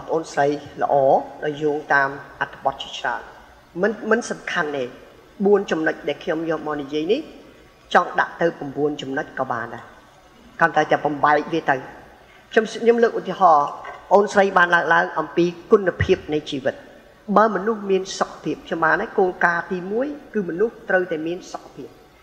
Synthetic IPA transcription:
pəʔoːnsrəjlə̰̆ʔɑːɗaɔjːuːəŋt̪aːmʔat̪ʰːə̥ɓɑ̆t̪̚t͡ɕi̥ət͡ɕra̰ən | mɨmɨnsɑmkʰanʔeː | ɓuənt͡ɕɑmnəc̚ɗaɛlkʰɲomjɔːlmaənijiəjnih | t͡ɕɑŋɗa̰ʔt̪ɨwpɑmɓuənt͡ɕɑmnəc̚kɑːɓa̰ːnɗaɛ | kənt̪aɛt̪ɛəɓɑmɓaɛk̚ʋiət̪ɨw | kʰɲomɲomləːk̚ʔut̪iəɦɑːpə̆ʔoːnsrəjɓaːnlaəŋlaəŋʔɑmpiːkunːpʰiəp̚nɨjt͡ɕiːʋɨt̪̚ | ɓaəmɔnuhmiənsokʰːḁpʰiəp̚kʰɲomɓaːnakoːlkaːt̪iːmuəjkɨːmɔnuht̪rəwt̪aɛmiənsokʰːḁpʰiəp̚

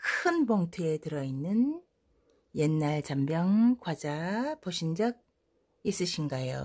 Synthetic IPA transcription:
kʰɯnmoŋtʰue̞tɯɾʌinːɯn | jenːaɭt͡ɕambjʌŋkwad͡ʑapoɕʰind͡ʑʌɡ̚ | is͈ɯɕʰinɡajo̰

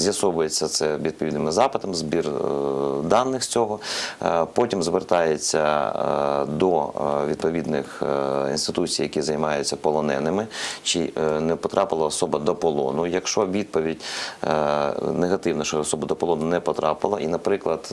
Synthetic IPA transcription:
zʲjɐsɔʋʊjet͡sʲːɐt̪sɛʋʲid̪̚pɔʋʲid̪nɪmɪzɑpɪt̪ɐmzbʲir | d̪ɑnːɪxsʲt͡sʲɔɦɔ | pɔtʲimzʋert̪ɑjet͡sʲːɐ̰ | d̪ɔʋʲid̪̚pɔʋʲid̪nɪ̰xḭnst̪ɪt̪ut͡sʲijɐkʲizɐjmɑjʊt͡sʲːɐpɔlˠɔnɛ̰nɪmɪt͡ʃinɛpɔt̪ɾʔɑpɪlˠɐːsɔbɐd̪ɔpɔlˠɔ̰nʊjɐkʃt͡ʃɔʋʲid̪̚pɔʋʲidʲ | neɦɐt̪ɪwnɔʃt͡ʃɔɔsɔbɐd̪ɔpɔlˠɔnʊnɛpɔt̪ɾɑ̰pɪlˠɐʔinɐpɾɪklˠɐd̪

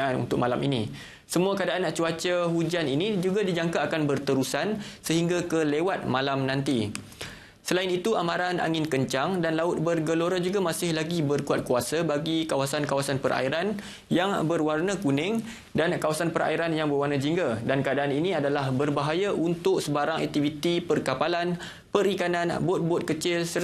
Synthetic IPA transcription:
anṵnt̪ʊk̚malamini | səmuakəadaʔanat͡ʃuat͡ʃəɦud͡ʒaninĩd͡ʒuɡadid͡ʒaŋkaːkanbərt̪əɾusansəɦiŋɡakəlewat̪̚mãlamnãnt̪i | səlainit̪ua̰mãɾana̰ŋɪnkəɲt͡ʃaŋdanlaʊt̪̚bərɡəloɾad͡ʒuɡamasɪhlaɡibərkuat̪̚kuasabaɡikawasankawasanpərʔa̰iɾan | jaŋbərwarnəkunɪŋ | dankawasanpəɾa̰iɾanjaŋbərwarnad͡ʒiŋɡadankəadaːninĩadalahbərbaɦajaʔunt̪ʊksəbaɾaŋɛ̰k̚t̪ivit̪ipərkapalan | pəɾikananbɔt̪̚bɔt̪̚kət͡ʃɪlsə

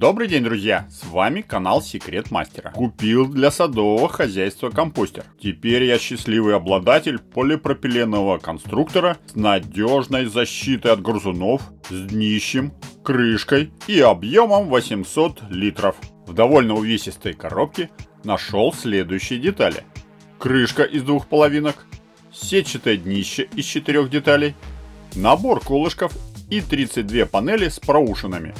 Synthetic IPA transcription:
d̪o̞bɾɨjdʲenʲd̪ɾʊzʲjasvamʲɪkɐnalˠsʲɪkɾʲe̞t̪ma̰sʲtʲɪɾə̰kʊpʲilˠd̪lʲɐsɐd̪o̞vəxɐzʲæjst̪vəkɐmposʲtʲɪ̰rtʲɪpʲeɾʲjaɕːɪsʲlʲivɨjɐblˠɐd̪atʲɪlʲpʰolʲɪpɾəpʲɪlʲenːəvəkɐnst̪ɾukt̪əɾəsnɐdʲoʐnəjzɐɕːit̪əjɐd̪ɡrzʊno̞fzʲd̪ʲnʲiɕːɪmkɾɨʂkəjiɐbjoməmvəsʲɪmso̞t̪lʲit̪ɾəfvd̪ɐvo̞lʲnəʊvʲesʲɪst̪əjkɐ̰ɾo̞p̚kʲɪ | nɐʂo̞lˠsʲlʲe̞d̪ʊjʉɕːɪjədʲɪt̪alʲɪ̰ | kɾɨʂkəʔɪzd̪vuxpəlˠɐvʲinək | sʲet͡ɕːɪt̪ɨjəd̪ʲnʲiɕːɪʔɪst͡ɕɪt̪ɪɾʲo̞xdʲɪt̪alʲɪjnɐbo̞rkolˠɨʂkəfit̪ɾʲit̪sɨt̚ʲd̪vʲe̞pɐnɛlʲɪspɾɐuʂɨnɨmʲɪ̰

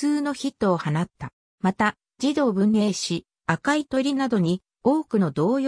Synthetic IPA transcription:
t͡sɨːno̞çit̪ːo̞ːhanat̪ːa | mat̪a | d͡ʑid̪o̞ːbɯ̟̃nːe̞ːɕi | akait̪o̞ɾʲinad̪o̞ɲ̟i | o̞ːkɯ̟no̞d̪o̞ːjo

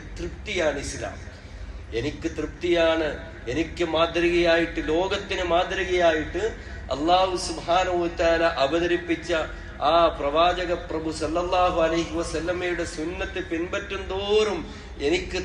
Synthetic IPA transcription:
t̪rɨpt̪ijaːɳisla̰ːm | e̞nikʲːɨt̪rɨpt̪ijaːɳɨ | e̞nikʲːɨmaːd̪ɾiɣɐjaːjiʈːɨlo̞ːɡɐt̪ːinɨmaːd̪ɾɐɣɐjaːjiʈːɨ | ɐ̰lːaːhusubhaːnɐɦuɐt̪aːlaʔɐbɐðɐɾipːit͡ɕːɐ | aːprɐʋaːd͡ʑɐɣɐprɐbusɐlːɐlːaːɦuɐlɐjɦiʋɐsɐlːɐmejuɽe̞sunːɐt̪ːɨpinbɐtːund̪oːɾum | e̞nikʲːɨ

